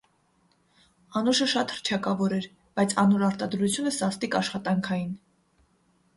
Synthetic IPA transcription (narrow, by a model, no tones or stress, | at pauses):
ɑnuʃəʃɑt̪həɾt͡ʃʰɑkɑvɔɾɛɾ | b̥ɑjt͡sʰɑnuɾɑɾt̪ɑd̪ɾut͡sʰjunəsɑst̪ikɑʃχɑt̪ɑŋkʰɑjin